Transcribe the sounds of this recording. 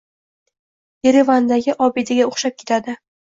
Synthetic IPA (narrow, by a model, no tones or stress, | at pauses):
jeɾevand̪aɡʲɪʔɒbed̪aɡʲaoχʃap̚kʲʰet̪ʰad̪ɪ